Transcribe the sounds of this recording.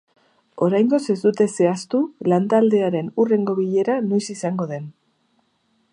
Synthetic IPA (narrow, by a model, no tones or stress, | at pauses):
o̞ɾajŋɡo̞se̞zd̪ut̪e̞se̞ast̪ulant̪ald̪e̞aɾe̞nure̞ŋɡo̞βiʎe̞ɾanojsisaŋɡo̞ðe̞n